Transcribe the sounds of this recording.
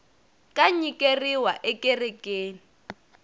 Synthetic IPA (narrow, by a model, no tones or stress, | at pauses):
kʼaɲikʼeriwaʔɛkʼerɛkʼeːni